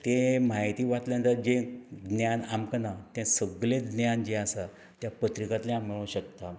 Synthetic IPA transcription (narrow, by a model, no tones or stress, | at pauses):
t̪emajt̪iːʋat̪lãɦənt̪əɾd͡ʑed̪njanamkənat̪ãsəɡled̪njand͡ʑeasa | t̪japət̪ɾikat̪lẽamːiɭũɕək̚t̪a